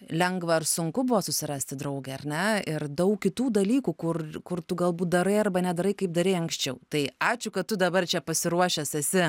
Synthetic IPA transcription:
lʲɛŋɡʋɐrsʊŋkʊbʊʋoːsʊsʲɪɾɑːsʲt̪ʲɪd̪ɾɐʊɡɐɪɐrʲnʲɛɪrd̪ɐʊkkʲɪt̪uːd̪ɐlʲiːkuːkʊrkʊrt̪ʊɡɐlˠbuːt̪̚d̪ɐɾɐɪɐrbɐnʲɛd̪ɐɾɐɪkɐɪp̚d̪ɐɾʲɛɪɐŋksʲt͡ʃʲɛʊt̪ɐɪɑːt͡ʃʲʊkɐt̚t̪ʊd̪ɐbɐrt͡ʃʲɛpɐsʲɪɾuɔʃʲɛsɛsʲɪ

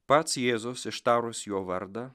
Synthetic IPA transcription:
pɐt̪sjeːzosɪʃt̪aːɾʊsʲjoːʋɐɾd̪ɐ

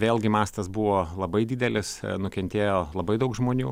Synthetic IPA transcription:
ʋʲeːlʲˠɡʲɪmɑːst̪ɐsbʊʋoːlˠɐbɐɪd̪ʲiːd̪ʲɛlʲɪsnʊkʲɛnʲt̪ʲeːjoːlˠɐbɐɪd̪ɐʊkʒmoːnʲṵː

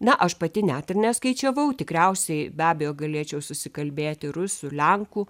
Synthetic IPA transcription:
nɐʔɐʃpɐt̪ʲɪnʲæːt̪ɪrnʲɛskɐɪt͡ʃʲɛʋɐʊt̪ʲɪkɾʲɛʊsʲɛɪbʲæːbʲɛjoːɡɐlʲeːt͡ʃʲɛʊsʊsʲɪkɐlʲbʲeːt̪ʲɪɾʊsʊlʲɛŋkuː

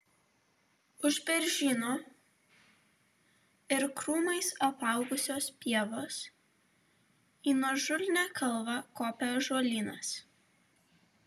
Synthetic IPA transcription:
ʊʒbʲɛɾʲʒʲiːnoː | ɪɾkɾuːmɐɪsɐpɑˑʊɡʊsʲoːspʲiɛʋoːs | iːnuɔʒʊlʲnʲæːkɐlˠʋɑkoːpʲɛʒoɔlʲiːnɐs

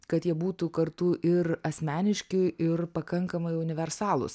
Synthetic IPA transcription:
kɐt̪jiɛbuːt̪ʊkɐɾt̪ʊʔɪɾɐsʲmʲæːnʲɪʃʲkʲɪʔɪɾpɐkɐŋkɐmɐɪʊnʲɪʋʲɛɾsɑːlˠʊ̰s

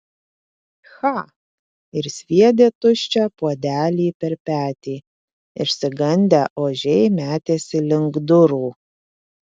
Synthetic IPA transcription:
xɑ | ɪɾsʲʋʲiɛd̪ʲeːt̪ʊʃʲt͡ʃʲɛpuɔd̪ʲæːlʲiːpʲɛɾpʲæːt̪ʲiː | ɪʃʲsʲɪɡɐnʲd̪ʲæʔoːʒʲɛɪmʲæːt̪ʲeːsʲɪlʲɪŋɡd̪ʊɾuː

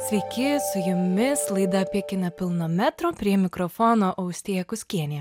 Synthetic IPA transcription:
sʲʋʲɛɪkʲɪsʊjʊmʲɪslˠɐɪd̪ɐɐpʲiɛkʲɪnʲɛpʲɪlˠnoːmʲæt̪ɾoːpʲɾʲiɛmʲɪkɾɔfɔːnoːʔɐʊsʲt̪ʲeːjɛkʊsʲkʲiɛnʲɪjɛ

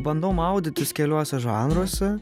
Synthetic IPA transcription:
bɐnd̪oːmɐʊd̪ʲɪt̪ʲɪskʲɛlʲuɔsʲɛʒɑːnɾuɔsʲɛ

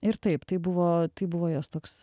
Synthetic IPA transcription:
ɪɾt̪ɐɪpt̪ɐɪbʊʋoːt̪ɐɪbʊʋoːjoːst̪oːks

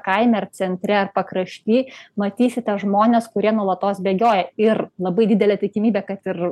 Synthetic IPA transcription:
kɐɪmʲɛɐrt͡ssʲɛnʲt̪ʲɾʲɛɐrpɐkɾɐʃʲt̪ʲiːmɐt̪ʲiːsʲɪt̪ʲɛʒmoːnʲeːskʊɾʲiɛnuɔlˠɐt̪oːsbʲeːɡʲoːjɛɪrlˠɐbɐɪd̪ʲɪd̪ʲɛlʲɛt̪ʲɪkʲɪmʲiːbʲɛkɐt̪ɪr

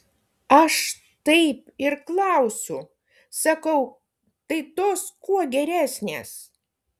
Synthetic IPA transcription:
ɐʃ | t̪ɐɪpɪɾklˠɐʊsʲʊ | sɐkɐʊ | t̪ɐɪt̪oːskuɔɡʲɛɾʲæːsʲnʲḛːs

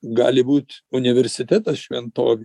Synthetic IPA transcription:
ɡɑ̰ːlʲɪbuːt̪ʲʊnʲɪʋʲɛɾʲsʲɪt̪ʲæt̪ɐsʃʲʋʲɛnt̪oːʋʲ

